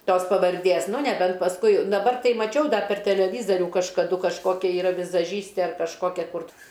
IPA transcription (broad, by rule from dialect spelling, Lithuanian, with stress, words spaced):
ˈtoːs pɐʋɐrʲˈdʲeːs ˈnʊ nʲɛˈbʲɛnt pɐsˈkʊɪ dɐˈbɐr ˈtɐɪ mɐˈt͡ʃʲɛʊ ˈdɐr pʲɛr tʲɛlʲɛˈʋʲiːzɐrʲʊ kɐʃkɐˈdʊ kɐʃˈkoːkʲɛ iːˈrɐ ʋʲɪzɐˈʒʲiːsʲtʲeː ɐr kɐʃˈkoːkʲɛ ˈkʊr